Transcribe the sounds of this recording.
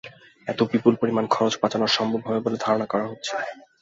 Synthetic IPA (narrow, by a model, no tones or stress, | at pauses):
ɛt̪obipulpoɾimankʰɔɾot͡ɕpat͡ɕanoɾʃɔmbʱobɦɔbeboled̪ʱaɾonakɔɾaɦotːɕʰe̥